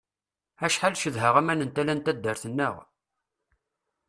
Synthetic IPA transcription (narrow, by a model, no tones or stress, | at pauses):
æʃħalʃəðɦəʁæmænənt̪ælænt̪æd̪ːəɾθənːəʁ